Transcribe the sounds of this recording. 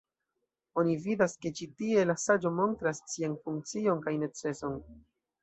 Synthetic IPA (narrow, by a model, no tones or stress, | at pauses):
o̞nividaske̞t͡ʃitie̞lasad͡ʒo̞mo̞ntɾassianfuŋk̚t͡sio̞nkajne̞t͡se̞so̞n